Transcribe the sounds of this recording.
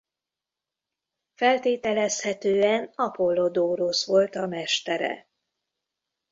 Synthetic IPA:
fɛlt̪eːt̪ɛlɛshɛt̪øːɛnɒpo̞lːo̞d̪oːɾosʋo̞lt̪ɒmɛʃt̪ɛɾɛ̰

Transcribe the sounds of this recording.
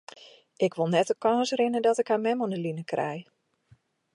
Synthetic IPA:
ʔɪkʋolˠnɛtəkɔːsrɪnədɔtɪkhamɛmɔnəlinəkrɛ̰j

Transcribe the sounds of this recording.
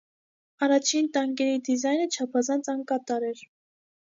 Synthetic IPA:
ɑrɑt͡ʃʰint̪ɑŋɡɛɾid̪izɑjnət͡ʃʰɑpʰɑzɑnt͡sʰɑŋkɑt̪ɑɾɛɾ

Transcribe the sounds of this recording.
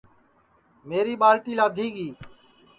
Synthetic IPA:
meːɾiːɓaːlʈiːlaːd̪ʱiːɡiː

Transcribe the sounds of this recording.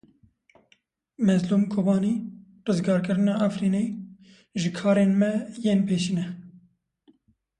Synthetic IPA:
mɛzluːmkʰoːbɑːniː | rɨzɡɑːɾkɨɾɨnɑːʔafɾiːne | ʒɨkʰɑːɾeːnmɛjeːnpʰeːʃinɛ

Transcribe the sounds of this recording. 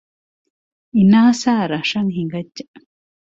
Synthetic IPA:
inaːsaːɾaʂaŋɦiŋɡat͡ʃːa

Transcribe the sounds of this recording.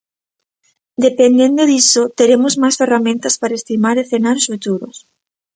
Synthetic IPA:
d̪epend̪end̪oðisot̪eɾemʊzmajsferamẽnt̪ɐspaɾaest̪imaɾeθenaɾʊsfut̪uɾʊs

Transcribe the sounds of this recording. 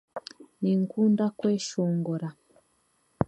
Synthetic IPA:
niŋ̩kundakwɛʃɔŋɡɔɾa

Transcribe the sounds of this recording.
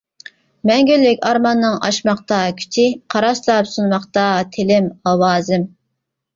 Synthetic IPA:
mɛŋɡʲylːɪkʲɑɾmɑnːɨŋɑ̰ʃmɑχt̪ɑkʲʰy̥t͡ʃ̪ʰɪqʰɑɾɑʃlˠɑpsunmɑχt̪ɑt̪ʰɪlɪmɑwɑːzɪm

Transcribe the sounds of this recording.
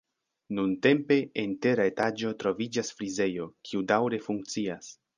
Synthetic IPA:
nunte̞mpe̞ente̞ɾae̞tad͡ʒo̞tɾo̞vid͡ʒasfɾize̞jo̞kʰiudawɾe̞fuŋk̚t͡sias

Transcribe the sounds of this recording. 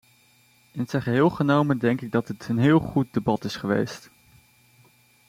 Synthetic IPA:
ɪnətsɛχəɦɪːlˠχənowməndɛŋkɪɡ̚dɑtətʰənɦɪːlˠχut̚debɑtɪsχəʋḛjst

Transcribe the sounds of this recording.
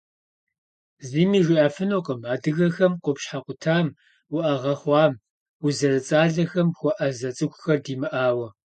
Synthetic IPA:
ziːmiːʒɪaːfɨnoqʼəmaːdɨɣɐxɐmqʷʊpɕħaqʷʊtʰaːm | wʊʔɐʁɐχʷɑːm | wʊzɐrɨt͡sʼaːɮɐxɐmxʷɔʔɐzɐt͡sʼɨkʷʼʊxɐrdiːmɨʔaːwɐ

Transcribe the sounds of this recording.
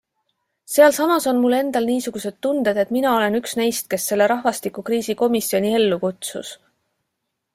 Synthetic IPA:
se̞ɑlsɑmɑso̞nmulːe̞nd̪̥ɑlniːsuɡ̥use̞d̪̥t̪und̪̥e̞d̪̥e̞t̪minɑo̞le̞nyksne̞jst̪̚ke̞sːe̞lːe̞ɾɑɦvɑst̪ikːˑukriːsiko̞misio̞nʲie̞lːukut̪sṵs

